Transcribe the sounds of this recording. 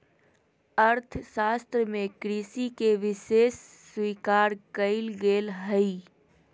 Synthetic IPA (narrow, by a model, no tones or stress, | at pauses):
əɾt̪ʰsaːst̪ɾəmẽkɾiːsikeʋɪseːsː | wiːkaːɾkəɪlɡeːlɦəi